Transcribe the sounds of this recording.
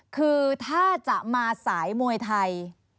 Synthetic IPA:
kʰɯː˧t̪ʰaː˥˩t͡ɕa˨˩ʔmaː˧saː˩˦jmu˧əjt̪ʰa˧j

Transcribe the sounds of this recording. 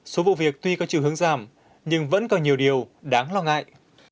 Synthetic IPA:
so˨˦vṵ˧˨vi˨˩ək̚t̪wi˧kɔ˨˦t͡ɕḭ˧˨whɨ˨˦əŋzaː˨˩m | ɲɨ˧ŋvə̰˧˥nkɔ˨˩nɲi˨˩əwɗi˨˩əwɗaː˨˦ŋlɔ˧ŋa̰ː˧˨jʔ

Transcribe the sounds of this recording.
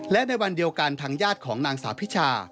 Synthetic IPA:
lɛ˦˥ʔna˧jwa˧ndi˧əwka˧nt̪ʰaː˧ŋjaː˥˩t̪̚kʰɔː˩˦ŋnaː˧ŋsaː˩˦wpʰi˦˥t͡ɕʰaː˧

